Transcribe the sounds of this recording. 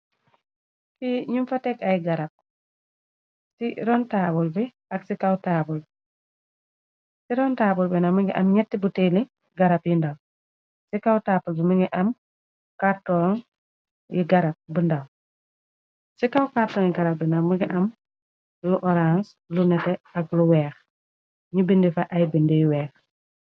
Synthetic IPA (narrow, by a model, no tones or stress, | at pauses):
fiɲumfatɛkajɡaɾap̚ | siɾɔntaːbɔlbɛ | aksikawtaːbɔl | siɾɔntaːbɔlbɛnaməŋɡɛʔamɲɛtːibutɛli | ɡaɾapjindaw | sikawtaːpulbiməŋɡɛʔɐm | kaɾtɔŋ | jiɡaɾɐp̚bundɐw | sikawkaɾtɔːŋiɡaɾap̚binɐmuɡiʔɐm | luʔɔɾãns | lunɛtɛɐk̚luwɛːx | ɲubindifaʔɐjbindijiwɛːx